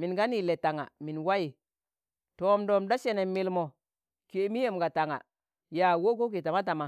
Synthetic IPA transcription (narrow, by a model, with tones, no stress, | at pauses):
mi˨nɡa˦ni˦˨le˨ta˨ŋa̰˨mi˨nwa˦ji˨ | toː˦mdo˦˨mda˦ʃe˦ne˨mi˨lmo˨ | ke˨˦mi˦je˨mɡa˨ta˨ŋa̰˨ | ja˨wo˦ko˦k̬i˨ta˨ma˦t̬a˨ma˨